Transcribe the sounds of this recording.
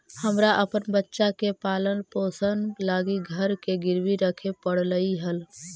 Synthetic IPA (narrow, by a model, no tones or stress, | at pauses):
həmɾaʔəpənbətːʃakepalənposənlaɡiɡʱəɾkeɡiɾʋiɾəkʰepəɽ̤ləiɦəl